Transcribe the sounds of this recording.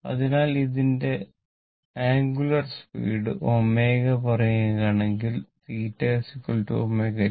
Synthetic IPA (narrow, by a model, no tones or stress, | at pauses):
ɐ̰ðinaːliðinde̞ | aːŋɡulɐrspḭːɽɨ̰ʔomːe̞ːɣɐpɐrɐjɐɣaːɳe̞ŋɡilt̪iːʈːesikːuɭʈːɨo̰mːeːɣɐɐ